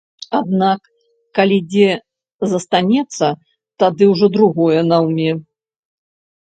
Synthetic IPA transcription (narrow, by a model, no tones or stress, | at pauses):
ad̪nakː | alʲid͡zʲɛ | zɐst̪anʲɛt̪sːɐ | t̪ad̪ɨwʐɔd̪ɾuɣɔjɛnawmʲɛ